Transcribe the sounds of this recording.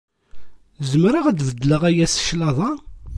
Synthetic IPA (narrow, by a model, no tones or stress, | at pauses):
zəmɾəʁæd̪vəd̪ləʁæjæsʃlɑðˤɑ